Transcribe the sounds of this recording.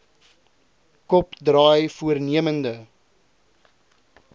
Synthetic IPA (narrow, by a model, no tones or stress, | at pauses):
kɔpdrɑːjfuərniəməndə